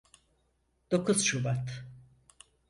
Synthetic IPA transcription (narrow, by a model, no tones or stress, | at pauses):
d̪̥okʰuz̥ʃubat̪